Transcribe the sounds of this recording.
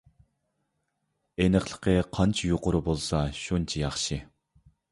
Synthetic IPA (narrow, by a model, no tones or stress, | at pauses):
enəχlˠə̥qʰəqʰɑnt͡ʃʰijoqʊɾubolˠsɑʃunt͡ʃʰijɑχʃi